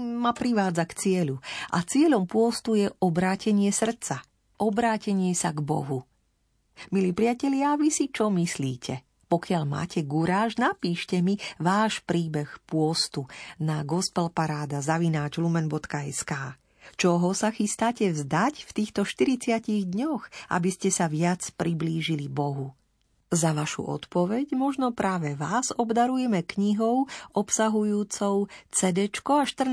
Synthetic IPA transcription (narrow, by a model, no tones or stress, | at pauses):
mapɾiʋaːd͡zakt͡sɪɛʎuʔa̰t͡sɪɛʎɔmpʊɔst̪ujɛʔɔbɾaːcʰɛɲɪɛsr̩t͡sa | ʔɔbɾaːcɛɲɪɛsaɡbɔ̰ɦu | miliːpɾɪacɛʎɪaʋisit͡ʃɔmisliːcʰɛ | pɔkɪaʎma̰ːcʰɛɡuɾaːʒnapiːʃcɛmiʋaːʃpɾiːbɛxpʊɔst̪unaɡɔspɛlpaɾaːd̪azaʋinaːd͡ʒlumɛnbɔt̪kaɛskaː | t͡ʃɔɦɔsaxist̪aːcɛvzd̪acft̪iːxt̪ɔʃt̪iɾit͡sɪaciɣd̪ɲɔɣʔa̰biscɛsaʋɪat͡spɾibliːʒilibɔɦu | zaʋaʃṵʔɔ̰t̪pɔʋɛɟmɔʒnɔpɾaːʋɛʋazɔbd̪aɾujɛmɛkɲiɦɔʊʔɔpsaɦujuːt͡sɔʊt͡sɛd̪ɛt͡ʃkɔaʃt̪r̩